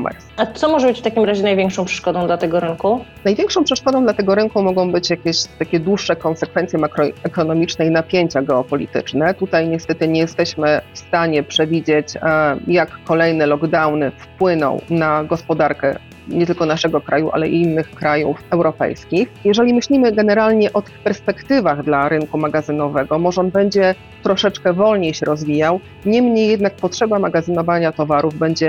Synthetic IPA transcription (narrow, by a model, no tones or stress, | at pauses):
ɔmɛ̰ɾsat̪sɔmɔʐɛbɘt͡ɕft̪akʲimɾaʑɛnajvʲɛŋkʂɔ̃pʂɛ̥ʂkɔd̪ɔ̃d̪lat̪ɛɡɔɾɘŋkunajvʲjɛŋkʂɔ̃w̃pʂɛʂkɔd̪ɔ̃d̪lat̪ɛɡɔɾɘŋkumɔɡɔ̃w̃bɘt͡ɕjakʲeɕt̪akʲɛd̪wuʂːɛkɔnsɛkfɛnt̪sʲjɛmakɾɔɛkɔnɔmʲit͡ʂnɛinapʲjeɲt͡ɕaɡɛɔpɔlʲḭt̪ɘ̰t͡ʂnɛt̪ut̪ajɲɛst̪ɛt̪ɘɲɛjɛst̪ɛɕmɘfst̪aɲɛpʂɛvʲid͡ʑet͡ɕjakːɔlɛjnɛlɔɡd̪awnɘfpwɘnɔ̰̃w̃naɡɔspɔd̪aɾkɛ̰ | ɲɛt̪ɘlkɔnaʂɛɡɔkɾʔajuʔa̰lɛḭinːɘxkɾajṵfɛwɾɔpɛ̰jskʲixjɛʐɛlʲimɘɕlʲimɘɡɛnɛɾalɲɛʔɔt̪ɘ̥xpɛɾspɛkt̪ɘvaɣd̪laɾɘnkumaɡazɘnɔvɛɡɔmɔʐɛɔnbɛɲd͡ʑɛ | t̪ɾɔʂɛt͡ʂkɛvɔlɲejɕɛɾɔzvʲijaw | ɲɛmɲejːɛd̪nak̚pɔtʂɛbamaɡazɘnɔvaɲat̪ɔvaɾuvbɛɲd͡ʑɛ